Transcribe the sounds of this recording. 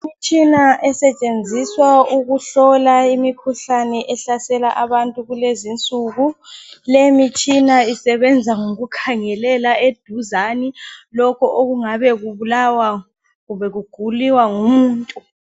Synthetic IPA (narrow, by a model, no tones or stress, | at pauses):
mit͡ʃʰʼinaʔɛsɛt͡ʃʼend͡zʱiswauɣuɬɔlaimikʰuɬanɛʔɛɬasɛlaʔaβantʼuɣulezint͡sʼuːɣulemit͡ʃʰʼinaisɛβɛnd͡zʱaŋoɣukʰaŋɛlɛlaed̥ʱuzanilɔkʰɔʔoɣuŋaβɛɣuβulawa | ɣubɛɣuɡ̥ʱuliwaŋumuːntʼu